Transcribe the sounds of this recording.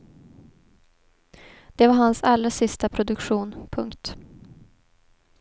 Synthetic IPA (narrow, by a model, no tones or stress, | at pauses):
d̪̥ɛvaɾɦansalɾasɪst̪apʰɾʊd̪ɵkɧuːnpʰɵŋkt̪